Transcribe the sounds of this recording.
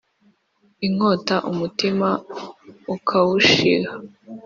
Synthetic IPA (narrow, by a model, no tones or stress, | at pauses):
iŋ̥oːtaʔumutima | ukʰawuʃḭɡa